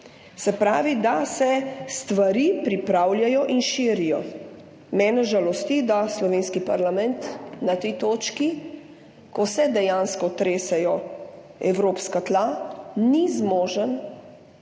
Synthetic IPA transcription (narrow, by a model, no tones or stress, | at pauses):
sɛpɾaːʋid̪asɛst̪ʋaɾiːpɾipɾaːwljajɔʔinʃiːɾijɔ | mɛːnɛʒalɔst̪id̪aslɔʋeːnskipaɾlamɛnt̪nat̪ɛjt̪oːt͡ʃki | kɔsɛd̪ɛjanskɔt̪ɾeːsɛjɔ | ɛ̰wɾoːpskat̪lanizmoːʒən